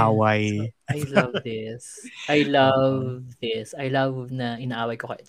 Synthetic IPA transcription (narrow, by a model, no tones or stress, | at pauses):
awajʔajlɐvðɪsʔajlɐvðɪsajlɐvnɐʔɪnaːʔaːwɐjkokɐ̰t̪